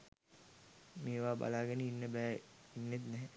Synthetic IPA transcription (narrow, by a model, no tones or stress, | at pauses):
meːʋaːba̰laːɡənəinːəbɛːinːet̪nɛɦɛ